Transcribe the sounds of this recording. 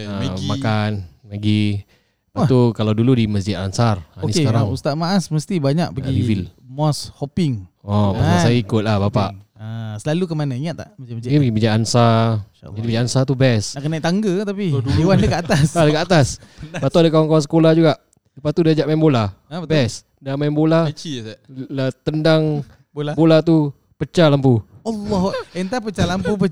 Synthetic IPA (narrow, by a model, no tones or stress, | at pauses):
əmakanlaɡi | pat̪ukalawduludiməs̬d͡ʒɪt̪ansaraoiskaɾaŋust̪aʔmaʔasməst̪ibaɲaʔ̚pəɡiivilmɔshɔpɪŋɔmasasaaikʊt̪̚lahbapaʔasəlalukəmanaiŋat̪ːa̰ʔmad͡ʒamkipəɡibiɲaʔansa | dibiɲaʔansat̪ubɛsnaʔkənaiʔt̪aŋɡət̪apiduewandəkəat̪asadəkəat̪asbat̪uadəkawaŋkawans̬ə̥kolad͡ʒuɡaʔ | ləpat̪udad͡ʒaʔmaɛmbolabɛs | damaɛmbolat͡ʃislat̪əndaŋ | bolabolat̪u | pət͡ʃalampualːɔɦənt̪apət͡ʃalampupə